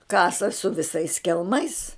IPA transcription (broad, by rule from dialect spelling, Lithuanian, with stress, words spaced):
ˈkɑːsɐ sʊ ʋʲɪˈsɐɪs kʲɛlˠˈmɐɪs